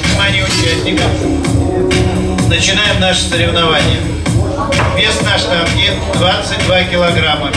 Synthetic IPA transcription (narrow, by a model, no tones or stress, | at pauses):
vnʲɪmanʲɪjʊt͡ɕæsʲnʲɪkəm | nət͡ɕɪnajɪmnaʂə̥səɾʲɪvnɐvanʲɪjə | vʲesnaʂt̪ɐnɡʲi | d̪vat̪sɨt̚ʲd̪vakʲɪlˠɐɡɾamːə